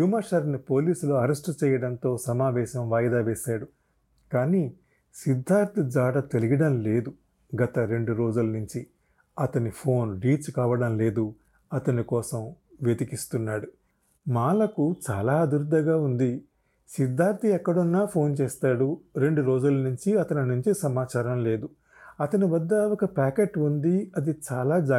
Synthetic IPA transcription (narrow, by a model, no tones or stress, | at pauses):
juːmɐʃɐɾnipo̞ːliːsuluɐɾesʈt͡ʃɛːjɐɽɐnt̪o̞ːsɐmaːʋɛːʃɐmʋaːjd̪aːʋɛːʃaːɽu | kaːniː | sid̪ʱːaːɾt̪ʰid͡ʒaːɽɐt̪e̞liɡɐɽɐmle̞ːd̪u | ɡɐt̪ɐɾe̞ɳɖuɾo̞ːd͡ʒulɐnuɲt͡ʃi | ɐt̪ɐnipʰo̞ːnɾiːt͡ʃkaːʋɐɽɐmle̞ːd̪u | ɐt̪ɐnikɔːsɐmʋjed̪ikist̪unːaːɽu | maːlɐkut͡ʃaːlaːd̪uɾd̪ːɐɡaːund̪i | sid̪ʱːaːɾt̪iɛkːɐɽunːaːpʰo̞ːnt͡ʃeːst̪aːɽuɾe̞ɳɖuɾoːd͡ʒulɐnuɲt͡ʃiɐt̪ɐninuɲt͡ʃisɐmaːt͡ʃaːɾɐmle̞ːd̪u | ɐt̪ɐniʋɐd̪ːɐɔkɐpaːkeːʈund̪iɐd̪it͡ʃaːlaːd͡ʒaː